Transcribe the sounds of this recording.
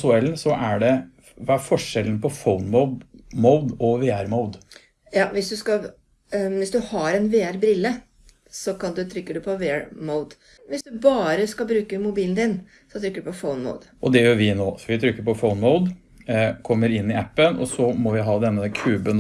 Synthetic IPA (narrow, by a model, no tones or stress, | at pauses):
sʊɛlnsɔʔæɖɛ | ʋɑæɾfɔʂɛln̩pʰɔfoʊnmoʊd̪moʊd̪ɔʋeːæɾmoʊd̪ | jɑːʋɪsd̪ʉskɑ | ʋɪsd̪ʉhɑɾɛnʋeːæɾbɾɪlːə | sɔkʰɑnd̪ʉt̪ʰɾʏkːəɖʉpʰɔʋeːæɾməʊd̪ | ʋɪsd̪ʉbɑːɾəskɑlbɾʉːkəmʊbiːnd̪ɪn | sɔt̪ʰɾʏkːəɖʉpɔfoʊnmə̰ʊd̪̥ʔɔd̪ɛjʊʋɪnoːsɔʋɪt̪ʰɾʏkːəɾpɔfoʊnmoʊd̪ | kʰɔmːəɾɪnːɪæpːənɔ̰sɔmɔʋɪɦɑːd̪ɛnːəkʰʉːbən